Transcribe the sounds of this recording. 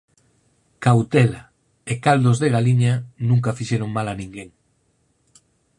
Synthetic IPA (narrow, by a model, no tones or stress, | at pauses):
kawt̪ɛla | ekald̪ozðeɣaliɲanũŋkɐfiʃeɾoŋmalanĩŋɡeŋ